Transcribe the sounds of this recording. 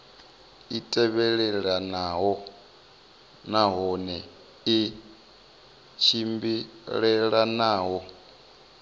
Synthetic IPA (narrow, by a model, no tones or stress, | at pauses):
itʼɛβɛɺɛɺanaɦɔ | naɦɔnɛ | i | t͡ʃʰimbiɺɛɺanaːɦɔ